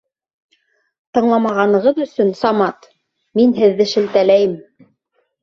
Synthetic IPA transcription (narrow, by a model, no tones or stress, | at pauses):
t̪ɤ̆ɴlˠɑmɑʁɑnɤ̆ʁɤðɵ̆sɵnsɑmɑt̪ | minɦɘ̆ðːɘʃɘ̆lt̪ælæjɘm